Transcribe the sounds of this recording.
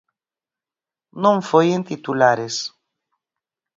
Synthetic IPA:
nõɱfojent̪it̪ulaɾes

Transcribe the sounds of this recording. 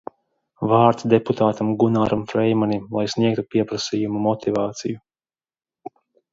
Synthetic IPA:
vaːɾt̪sd̪eput̪aːt̪amɡunaːɾamfɾɛjmanʲimlˠajsniɛk̚t̪upʲiɛpɾasijumumɔt̪ivaːt̪siju

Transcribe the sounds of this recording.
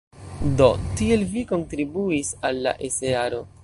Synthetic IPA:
do̞tie̞lviko̞ntɾibuisalːa̰ʔeseaɾo̞

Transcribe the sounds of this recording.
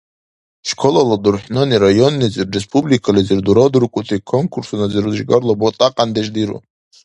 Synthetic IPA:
ʂkʰolaladurħnɨniɾajo̞nːizɨrrespʰʼublikʰalizɨrduɾod̪uɾkʷʼʊtʰʼikʰoŋkʰursunazɨrʒɡarlabotʼaqʼandeʒdiɾo̰

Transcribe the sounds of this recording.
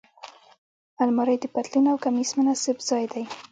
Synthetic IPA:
almaɾajd̪əpat̪linawkamismənasɪbz̥ɑjd̪aj

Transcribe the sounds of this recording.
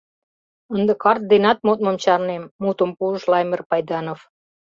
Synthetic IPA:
ənd̪ə̆kɑrt̪̚d̪enɑt̪̚mot̪̚məmt͡ɕɑrnemːut̪əmpuəʃlɑjmerpɑjd̪ɑnof

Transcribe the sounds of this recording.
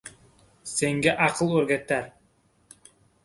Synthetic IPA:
seŋɡʲæʔɑqʰɨlˠɵɾɡʲæt̪ːæɾ

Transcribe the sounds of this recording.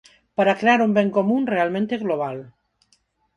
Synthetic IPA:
paɾakɾeaɾumbeŋkomunrealˠmẽnt̪eɣloβ̞al

